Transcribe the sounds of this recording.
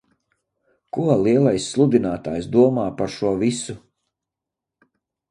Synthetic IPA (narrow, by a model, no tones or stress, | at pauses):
kuɔlˠiɛlˠajsːlˠud̪inaːt̪aːjsd̪uɔmaːpaɾʃuɔvisu